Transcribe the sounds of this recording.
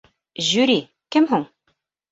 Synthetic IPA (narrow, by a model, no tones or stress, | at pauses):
ʑʉɾi | kɘmɦuɴ